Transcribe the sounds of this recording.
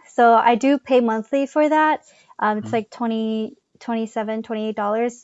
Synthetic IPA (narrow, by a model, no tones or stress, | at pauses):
soʊa̰ɪdɨpʰeɪmʌ̃nθlifə˞ðæt̚ | ʔʌ̃mɨtslaɪk̚tʰw̥ɛ̃ɾ̃i | tʰw̥ɛ̃ɾ̃isɛvɨ̃ntʰw̥ɛ̃ɾ̃ieɪt̚d̥ɔlˠə˞z̥